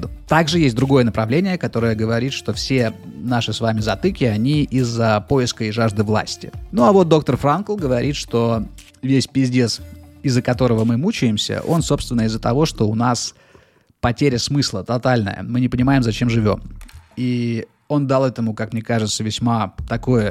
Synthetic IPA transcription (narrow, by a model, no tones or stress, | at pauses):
t̪aɡʐɨjesʲt̚ʲd̪ɾʊɡo̞jənəpɾɐvlʲenʲɪjəkɐt̪o̞ɾəjəɡəvɐɾʲit̪ʂt̪o̞fsʲe̞naʂɨsvamʲɪzɐt̪ɨkʲɪɐnʲiʔɪzːəpo̞ɪskəɪʐaʐd̪ɨvlˠa̰sʲtʲɪ̰nuɐvo̞t̪̚d̪o̞k̚t̪ərfɾankəlˠɡəvɐɾʲʔit̪ʂt̪o̞ | vʲesʲpʲɪzʲdʲesɪzːəkɐt̪o̞ɾəvəmɨmut͡ɕɪjɪmsʲə̰ʔo̞̰nso̞pst̪vʲɪnːəɪzːət̪ɐvo̞ʂt̪o̞ʊnas | pɐtʲeɾʲəsmɨslˠət̪ɐt̪alʲnə̰jə̰mɨnʲɪpənʲɪmaɪmzɐt͡ɕe̞mʐɨvʲo̞̰mi | o̞nd̪alˠɛt̪əmʊkakmnʲe̞kaʐɨt̪səvʲɪsʲmat̪ɐko̞jə